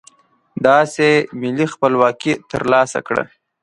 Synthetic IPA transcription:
d̪ɑsemɪlixpəlwɑkit̪əɾlɑsa̰kɽə̰

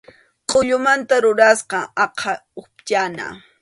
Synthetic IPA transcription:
qʼoʎʊmant̪aɾʊɾasqɑɑqʰɑʊpt͡ʃana̰

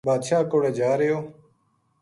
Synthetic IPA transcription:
baːd̪ʃaːkoːɽeːd͡ʒaːɾejoː

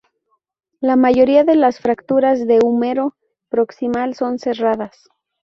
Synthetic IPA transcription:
lamaʝo̞ɾiaðe̞lasfɾakt̪uɾazðe̞umeɾo̞ | pɾo̞ksimalso̞nse̞raðas

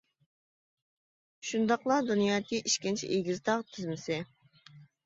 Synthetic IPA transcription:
ʃund̪ɑqlˠɑd̪unjɑːkʲʰiʔiʃkʲint͡ʃʰḭʔiɡʲizt̪ɑʁt̪ʰyzmɪsɪ

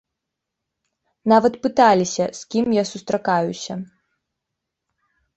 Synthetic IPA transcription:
navɐt̪pɨt̪alʲisʲɐskʲimjasust̪ɾakajusʲɐ

